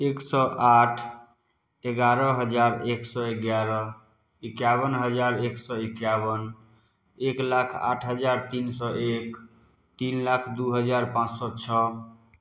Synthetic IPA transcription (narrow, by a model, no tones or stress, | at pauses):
eksɔʔaʈʰ | eɡaɾəɦəd͡ʒaɾeksɔeɡjaɾə | ikjabənɦəd͡ʒaɾeksɔekjabən | eklakʰa̰ʈʰɦəd͡ʒaɾt̪insɔʔek | t̪inlakʰd̪uɦəd͡ʒaɾpãt͡ʃsɔt͡ʃʰɔ